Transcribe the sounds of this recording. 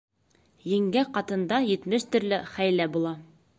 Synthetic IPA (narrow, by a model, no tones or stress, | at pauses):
jɘ̆ŋɡæqɑt̪ɤ̆nd̪ɑjɘ̆t̪mɘʃt̪ɵ̆ɾlɘχæjlæbulˠɑ